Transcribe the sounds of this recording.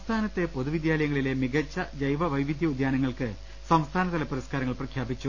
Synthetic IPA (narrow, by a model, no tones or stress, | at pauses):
ɐmst̪ʰaːnɐt̪ːe̞po̞ðuʋid̪jaːlɐjɐŋːɐɭile̞miɡɐt͡ɕːɐd͡ʑɐjʋɐʋɐjʋid̪ʱjɐud̪jaːnɐŋːɐɭkɨ | sɐmst̪ʰaːnɐt̪ɐlɐpːɐɾiskaːɾɐŋːɐɭprɐkʰjaːbit͡ɕːu